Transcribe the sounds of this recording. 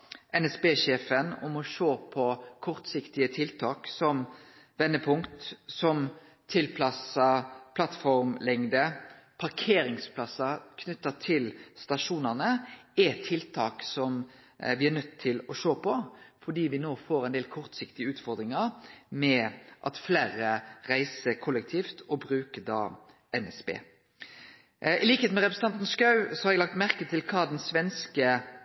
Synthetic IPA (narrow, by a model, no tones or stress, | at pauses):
ʔɛnɛsbeːʂeːfənɔ̰mɔʂoːpʰɔkʰɔɾt̪sɪkt̪ɪət̪ʰɪlt̪ʰɑːksɔm | ʋɛnːəpʰʊŋkt̪sɔm | t̪ʰɪlpʰlɑsɑpʰlɑt̪fɔɾmlɪŋd̪əpʰɑɾkʰeːɾɪŋspʰlɑsɑkʰnʉt̪ːət̪ʰɪlst̪ɑʂuːnɑʁnəɛt̪ʰɪlt̪ʰɑːksɔm | ʋɪæɾnœt̪ʰːɪlɔʂoːpʰɔfɔɖ̪iːʋɪnoːfoːɾɛɪnd̪eːlkʰɔɾt̪sɪkt̪ɪəʉːt̪fɔɾd̪ɾɪŋɑɾmɛʔɑ̰t̪fleːɾəɾæɪsəkʰɔlɛk̚t̪ʰiːft̪ɔbɾʉːkəd̪ɑ̰ː | ɛnɛsbḛː | ʔɪliːkət̪eːt̪mɛʁɛpɾəsən̩t̪ɑnt̪nskɑʉsɔhɑɾɛɡlɑkt̪mæɾkət̪ʰɪlkʰɑːd̪ɛnsʋɛnskə